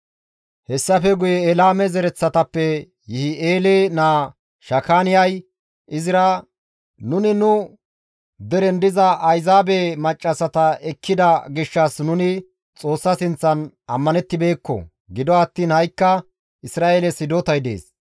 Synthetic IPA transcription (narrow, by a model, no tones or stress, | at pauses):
hɛsːɐfɛɡʊjɛːlaːmɛzɛɾɛt͡sːɐt̪ɐpːɛ | jɪhɪeːlenaː | ʃɐkaːnɪjɐj | ʔɪzɪɾɐ | nʊnɪnʊ | d̪ɛɾɛnd̪ɪzɐɐjzaːbemɐt͡ʃʼːɐsɐt̪ɐɛkʰːɪd̪ɐɡɪʃːɐsnʊnɪ | t͡sʼo̞ːsːɐsɪnt͡sːɐn | ɐmːɐnɛt̪ːɪbe̞ːkːɔ̰ | ɡɪd̪ɔɐt̪ːiːnhɐjkːɐ | ɪsɾaːelɛsɪd̪oːt̪ɐjd̪ḛːs